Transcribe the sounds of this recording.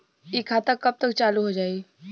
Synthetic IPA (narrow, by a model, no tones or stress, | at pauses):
ikʰat̪əkːəp̚t̪ək̚t͡ʃaluɦod͡ʒaiː